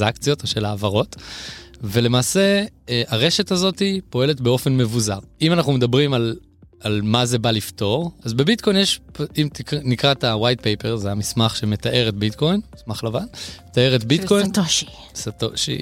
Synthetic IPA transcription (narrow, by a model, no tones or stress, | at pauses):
zakt͡sijo̞toʃe̞laːvaʁo̞t | ve̞le̞maːse̞aʁe̞ʃetazo̞tipo̞e̞letbeo̞fe̞nme̞vuzaʁimanaχnumedabʁimal | almaze̞balifto̞ʁazbe̞bit̚kʰojnjeʃpimtiknikʁatawajt̚pejpeʁzeamismaχʃe̞me̞taʔe̞ʁetbitko̞jnmismaχlavanmmet̪ae̞ʁetbitko̞jtoi | satoʃḭ